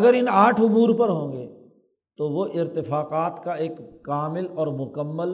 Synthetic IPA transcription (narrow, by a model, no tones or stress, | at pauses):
ɡəɾɪnaːʈʰʊmuːɾpɐɾɦõːŋɡeː | t̪oʋoʔɪɾt̪ɪfaːqaːt̪kaeːkːaːmɪlɔːɾmʊkəmːəl